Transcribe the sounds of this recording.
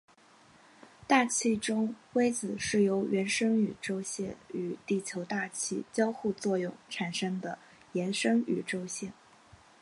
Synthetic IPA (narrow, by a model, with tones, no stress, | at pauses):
t̪a˥˧t͡ɕʰi˥˩ʈ͡ʂʊ˥ŋwe˥ɪt͡sɹ̩˨˩ʂɻ̩˥˩jo˧˥ʊɥɛ˧˥nʂɤ˥ŋy˨˩ʈ͡ʂo˥ʊɕjɛ˥˩ny˨˩t̪i˥˩t͡ɕʰjo˧˥ʊt̪a˥˧t͡ɕʰi˥˩t͡ɕjɑ˥ʊxu˥˧t͡swɔ˥˧jʊ˥˩ŋʈ͡ʂʰa˨˩nʂɤ˥ŋd̪ə˨ | jɛ˧˥nʂɤ˥ŋy˨˩ʈ͡ʂo˥ʊɕjɛ˥˩n